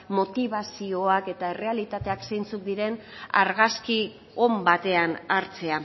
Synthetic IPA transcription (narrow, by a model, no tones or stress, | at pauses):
mo̞t̪iβasio̞ake̞t̪ae̞re̞alit̪at̪e̞aksejnt͡suk̚d̪iɾe̞n | a̰ɾɣaski | o̞mbat̪e̞anaɾt͡se̞a